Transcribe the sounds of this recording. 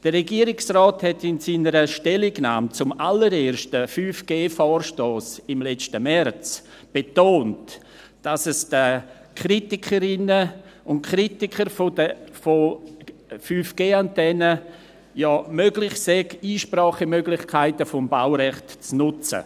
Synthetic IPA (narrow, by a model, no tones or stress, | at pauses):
d̥ərɛɡiəɾɪksrɔːthɛtɪnsiːnəɾəʃtɛlɪɡna̰ːmt͡sʊmaləɾeːɾʃtəfyːfɡ̥eːfɔːrʃtoːsɪmlɛt͡stəmɛrt͡s | b̥etoːnt | d̥asɛsd̥ə | kʰritɪkʰəɾɪnəʊntkɾitɪkʰəɾfodəfo | fyːfɡ̥eːantɛnə | jɔːmøɡlɪχsɛɡiːʃpraːχəmøɡlɪχkʰaɪtəfʊmbawɾɛχtt͡snʊt͡sə̰